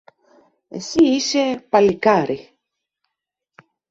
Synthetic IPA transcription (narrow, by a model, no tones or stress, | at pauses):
ḛsiisepɐlikaɾi